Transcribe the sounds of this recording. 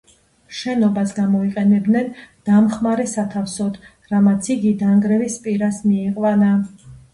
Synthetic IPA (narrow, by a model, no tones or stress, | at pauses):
ʃɛnɔbasɡamɔiqʼɛnɛbd̪nɛnd̪̥amχmaɾɛsat̪ʰafsɔd̪ | ɾamat̪sʰiɡid̪aŋɡɾɛvispʼiɾasmiɛqʼwana